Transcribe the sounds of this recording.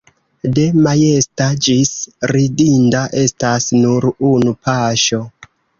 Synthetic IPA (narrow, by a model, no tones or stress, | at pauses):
de̞maje̞stad͡ʒisɾidindaʔe̞stasnuɾunupaʃo̞